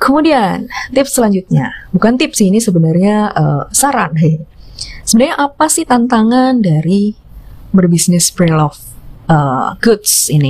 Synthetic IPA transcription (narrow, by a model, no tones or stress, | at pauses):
kəmudiant̪ɪp̚səlaɲd͡ʒut̪̚ɲabukant̪ɪp̚sɪhinisəbənarɲaəsaɾanɦəjsəbənarɲaʔapasɪht̪ant̪aŋandaɾi | bərbisnɪspɾilɔfʔəɡʊtsini